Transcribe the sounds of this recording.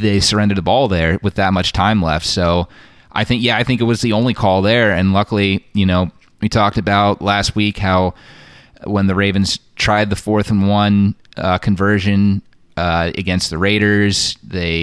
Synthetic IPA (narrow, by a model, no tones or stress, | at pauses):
ðeɪsə˞ɛ̃ndə˞dðəbɔlˠðə˞wɨðɨt̚mʌt͡ʃtʰãɪ̃mlɛftsoʊ | ʔaɪθɪ̃ŋkjæaɪθɪ̃ŋkɨt̚wʌzðiõʊ̃nlikʰɔlˠðə˞ɨ̃nlʌkl̩ˠijɨnoʊ | witʰɔk̚tɨbaʊtlæst̚wikhaʊ | wə̃nðɨɹeɪvɨ̃nz̥tʰɹ̥aɪd̪̚ðəfɔɹθn̩wʌ̃nkʰɨ̃ɱvɜ˞ʒɨ̃n | ɨ̰ɡɛ̃nst̪̚ðɨɹeɪɾə˞z̥ðeɪ